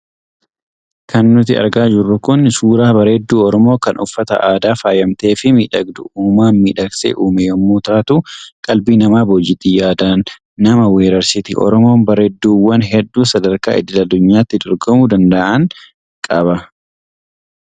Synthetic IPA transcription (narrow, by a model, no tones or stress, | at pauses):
kʰɐnːʊt̪ɪ̰ɐ̰ɾɡaːd͡ʒɪrːʊkʊnsuːɾaːbɐɾeːd̪ːuːɔɾɔmo̞ːkɐnʔʊfːɐt̪ɐ̰ʔaːd̪aːfaːjɐmt̪e̞ːfɪmiːᶑɐɡd̪ʊʔuːmaːnmiːᶑɐksḛːʔuːmejɔmːuːt̪aːt̪uːkʼɐlbiːnɐmaːbɔd͡ʒɪt̪iːjaːd̪aːnː | ɐmɐwe̞ːɾɐɾsɪt̪ḭʔɔ̰ɾɔmo̞ːnbɐɾeːd̪ːuːwːɐnɦɛd̪ːuːsɐd̪ɐɾka̰ːɪ̰d̪ɪlɐd̪ːʊɲːaːt̪ːɪd̪ɔɾɡɔmud̪ɐnd̪ɐʔʔɐŋ | kʼɐβɐ